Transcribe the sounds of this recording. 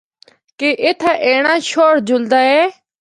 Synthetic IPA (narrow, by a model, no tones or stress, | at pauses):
keʔɪt̪ʰaːʔeːɽ̃ãːʃoːɽd͡ʒʊld̪aːɛː